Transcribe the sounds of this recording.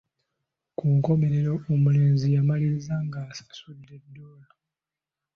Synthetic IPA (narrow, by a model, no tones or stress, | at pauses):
kʰuŋko̞me̞ɾe̞ɾoomule̞ːnzijamalizaŋɡaːsḁsudːe̞dːoːla